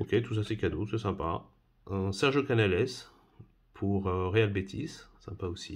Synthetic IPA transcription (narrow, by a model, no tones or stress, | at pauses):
ɔkʲet̪us̬asɛkad̪osɛsɛ̃pa̰ | øsɛʁʒokanalɛs | pʰuʁøʁealbet̪ʰissɛ̃paosḭ